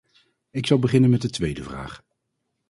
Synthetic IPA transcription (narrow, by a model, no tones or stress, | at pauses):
ɪksɑlˠbəχɪnənmɛt̚dətʋejdəvra̰ːχ